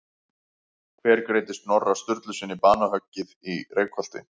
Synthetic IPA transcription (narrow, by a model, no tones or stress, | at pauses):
kʰvɛːɾkɾeːjt̪ɪst̪nɔrːast̪ʏɾt̪lʏsɪnːɪpaːnaɦœcːɪðireːjkʰhɔl̥t̪ɪ̰